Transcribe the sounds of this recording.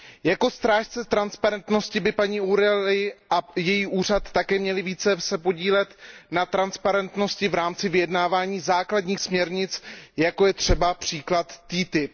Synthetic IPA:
jako̞st̪ɾaːʃt͡sɛt̪ɾanspaɾɛnt̪no̞scɪbɪpaɲiːuɾɛlɪʔajɛjiːʔuːr̝at̪ːakɛːmɲɛlɪviːt͡sɛsɛpo̞ɟiːlɛt̪nat̪ɾanspaɾɛnt̪no̞scɪvɾaːmt͡sɪvɪjɛdnaːvaːɲiːzaːkladɲiːxsmɲɛɾɲɪt͡sjako̞jɛt̪r̝̥ɛbapr̝̥iːklat̪ːiːt̪ɪp̚

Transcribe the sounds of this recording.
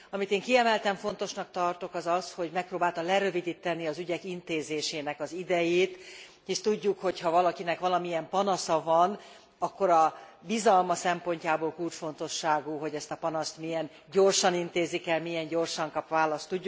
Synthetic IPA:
ɒmit̪eːŋkiɛmɛlt̪ɛɱfo̞nt̪oʃnɒk̚t̪ɒrt̪o̞kɒzɒsho̞ɟmɛk̚proːbaːlt̪ɒlɛɾø̞vid̪it̪ːɛniɒzyɟɛkint̪eːzeːʃeːnɛkɒzid̪ɛjeːt̪ | eʃt̪uɟːukho̞chɒvɒlɒkinɛkʋɒlɒmijɛmpɒnɒsɒvɒn | ɒkːo̞ɾɒbizɒlmɒsɛmpo̞ɲcaːboːlkult͡ʃfo̞nt̪o̞ʃːaːɡuɦo̞ɟɛst̪ɒpɒnɒst̪mijɛn | ɟo̞rʃɒnint̪eːzːikɛlmijɛɲɟo̞rʃɒŋkɒpʋaːlɒst̪ːuɟːu

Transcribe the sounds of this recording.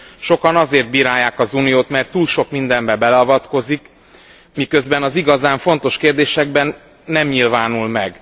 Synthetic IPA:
ʃo̞kɒnɒzeːrt̪̚biːɾaːjːaːkɒzuːnijoːt̪mɛrt̪ːuːlʃo̞kmind̪ɛmbɛbɛlɛɒvɒt̪ko̞zik | mikø̞zbɛnɒziɡɒzaːɱfo̞n̪t̪o̞ʃkeːrd̪eːʃɛɡ̚bɛnː | ɛmɲilvaːnulmɛɡ

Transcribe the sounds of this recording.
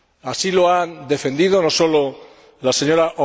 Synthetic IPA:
asiloand̪e̞fe̞nd̪iðo̞no̞so̞lo | lase̞ɲo̞ɾaʔo

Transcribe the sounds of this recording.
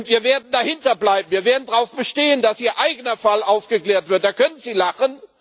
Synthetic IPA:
ntv̥iːɐveːɐdn̩dahɪntɐblaɪbm̩viːɐveːɐdn̩dʁaʊfb̥əʃteːənd̥asʔiːɐʔaɪɡənɐfalʔaʊfɡ̥əkleːɐtv̥ɪɐtd̥aːkʰœnənziːlaχən

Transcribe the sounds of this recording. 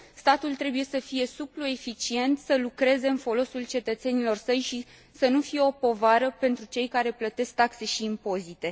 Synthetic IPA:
st̪at̪ult̪ɾe̞buje̞səfije̞suploe̞fit͡ʃie̞nt̪səlukɾe̞ze̞ɨnfo̞lo̞sult͡ʃe̞t̪ət̪se̞nilo̞rsəjʃi | sənufije̞o̞po̞vaɾəpe̞nt̪ɾut͡ʃe̞jkaɾe̞plət̪e̞sk̚t̪akse̞ʃiːmpo̞zit̪e̞

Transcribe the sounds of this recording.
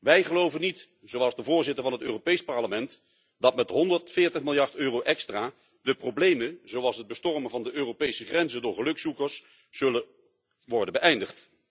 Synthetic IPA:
ʋɛjχəlowvənːit | z̥owɑlˠzdəvʊːɹzɪtəɹvɑnɦətøːropejspɑɹləmɛnt | d̥ɑtmɛtɦɔndəɹtfɪːɹtəχmɪlˠjɑɹtøːrowʔɛkstraː | dəproblejmənzowɑlˠsɦəd̚bəstɔrmənvɑndəʔøːropejsəχrɛnzəndʊːɹχəlɵksukəɹsː | ɵlə | ʋɔɹdənbəʔɛjndəχt

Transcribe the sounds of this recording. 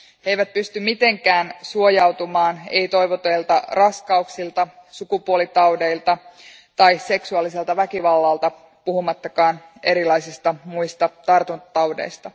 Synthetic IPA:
he̞jʋæt̪̚pyst̪ymmit̪e̞ŋkæːnsuo̞jɑwt̪umɑːne̞̰jt̪o̞jʋot̪ejlt̪ɑrɑskɑuksilt̪ɑsukupuolit̪ɑwde̞ilt̪ɑ | t̪ɑjse̞ksuɑlːise̞lt̪ɑʋækiʋɑlːɑlt̪ɑ | puhumɑt̪ːɑkɑːne̞ɾilɑjsist̪ɑmuist̪ɑt̪ɑrt̪unt̪ɑwde̞̰jst̪ɑ

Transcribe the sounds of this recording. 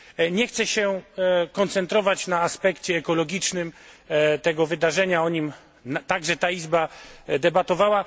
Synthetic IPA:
ɲɛxt̪sɛɕɛkɔnt̪sɛnt̪ɾɔvat͡ɕnaːspɛkt͡ɕɛːkɔlɔɡʲit͡ʂnɘmt̪ɛɡɔvɘd̪aʐɛɲaɔɲim | nat̪aɡʐɛt̪aizbad̪ɛbat̪ɔvawa

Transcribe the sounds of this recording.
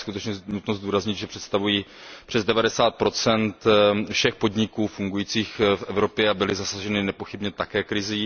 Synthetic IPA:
skut̪ɛt͡ʃɲɛnut̪nozd̪uːɾazɲɪd̪ʒɛpr̥ɛt̪st̪avujiːpr̥ɛzdɛvadɛsaːt̪̚pɾo̞t͡sɛnt̪fʃɛxpo̞dɲɪkuːfuŋɡujiːt͡siːxfʔɛvɾo̞pjɛabɪlɪzasaʒɛnɪnɛpo̞xɪbɲɛt̪akɛːkɾɪziː

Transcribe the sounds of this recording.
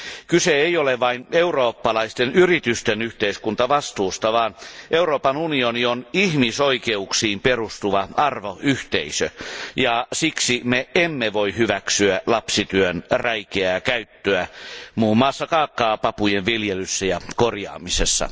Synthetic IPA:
kyseeioleʋɑineuroːpːɑlɑist̪enyrit̪yst̪enyht̪eiskunt̪ɑʋɑst̪uːst̪ɑʋɑːnʔeuroːpɑnunionionihmisoikeuksiːmperust̪uʋɑɑrʋoʔyht̪eisøjɑsiksimeemːeʋoihyʋæksyælɑpsit̪yønræikeæːkæyt̪ːøæmuːmːɑːsːɑkɑːkːɑːpɑpujeʋʋiljelysːæjɑkorjɑ̰ːmisesːɑ̰

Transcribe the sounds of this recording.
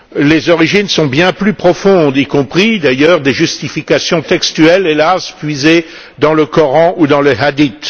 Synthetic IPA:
lezɔʁiʒinsɔ̃bjɛ̃plypχɔfɔ̃d̪ikɔ̃pχid̪ajœʁd̪eʒyst̪ifikasjɔ̃t̪ɛkst̪yɛlelaspɥize | d̪ɑ̃ləkɔʁɑ̃ʔud̪ɑ̃ləɦad̪it̪

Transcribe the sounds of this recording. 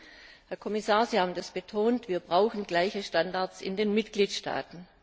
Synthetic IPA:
hɛɐkʰɔmɪsaːɐziːhaːbm̩dasb̥etʰoːntv̥iːɐbʁaʊxn̩ɡlaɪçəʃtandaɐt͡sɪ̰ndeːnmɪtɡ̥liːtʃta̰ːtn̩

